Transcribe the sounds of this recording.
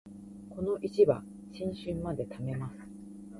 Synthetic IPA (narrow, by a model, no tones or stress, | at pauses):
ko̞no̞ʔit͡ɕiβa̰ | ɕĩɰ̃ɕɨ̃mːad̪e̞t̪ame̞masɨ̥